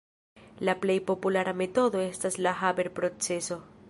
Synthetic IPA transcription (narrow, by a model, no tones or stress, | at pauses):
laple̞jpo̞pulaɾame̞to̞do̞e̞staslaɦabe̞ɾpɾo̞t͡se̞so̞